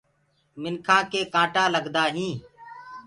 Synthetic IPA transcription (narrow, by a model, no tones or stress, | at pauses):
mɪnkʰãːkeːkãːʈaːləɡd̪aːɦĩː